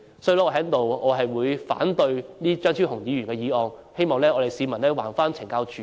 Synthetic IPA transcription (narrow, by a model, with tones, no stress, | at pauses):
sɔː˧˥jlɔ˥ɔː˨˧ɦɛː˨˥t̪o˨wɔː˨˧ɦɐ˨jwuː˨˧jfa̰ː˨˥nt̪ɵ˧ɥniː˥t͡ʃœː˥ŋsʰi˥hʊ˨˩ŋjiː˨˧ɥyː˨˩nkɛː˧jiː˨˧ɔː˨˧ŋhe˥jmɔː˨ŋlɛː˥ʔɔː˨˧te˨jsiː˨˧mɐ˨˩nlɛː˥wa̰ː˨˩nfaː˥nt͡sʰɪ˨˩ŋkaː˧wt͡ʃʰyː˨